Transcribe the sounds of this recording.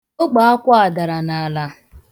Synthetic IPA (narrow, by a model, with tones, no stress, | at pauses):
o˦ɡ͡ba˨a˦kʷa˦a˨da˨ɾa˨na˨la˦